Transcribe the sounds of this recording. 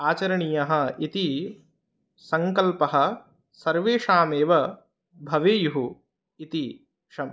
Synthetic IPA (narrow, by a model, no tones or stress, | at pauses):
aːt͡ʃɐɾɐɳijɐɦɐ̆it̪i | sɐŋkɐlpɐɦɐ̆ | sɐɾʋeːʂaːmeːʋɐ | bʱɐʋeːjuɦu | it̪i | ʂɐm